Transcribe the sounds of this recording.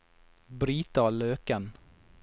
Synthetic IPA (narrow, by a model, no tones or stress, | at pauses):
bɾiːt̪aløːkan